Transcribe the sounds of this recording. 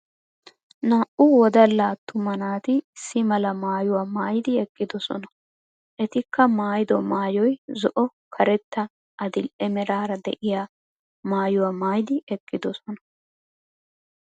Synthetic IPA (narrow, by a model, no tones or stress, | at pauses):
naːʔʊwɔd̪ɐlːaːt̪ːʊmɐnaːt̪ɪsːɪmɐlɐmaːjʊwaːmaːjd̪ɪɛkʼːɪd̪ɔsɔ̰nɐ | ʔɛt̪ɪkːɐmaːjd̪ɔmaːjɔjzɔʔɔ | kʰɐɾɛt̪ːɐ | ʔɐd̪ɪlʔɛmɛɾaːɾɐd̪ɛ̰ʔɪja | maːjʊwaːmaːjd̪ɪɛkʼːɪd̪ɔsɔnɐ